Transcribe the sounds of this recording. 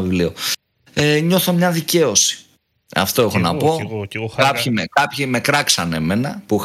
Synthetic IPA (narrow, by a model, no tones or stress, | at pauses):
vivlio | eɲo̞θo̞mɲɐðice̞o̞si̥ | ɐ̰ft̪o̞exo̞nɐpo̞kɐçimkɐpçime̞kɾɐksɐne̞me̞nɐpuix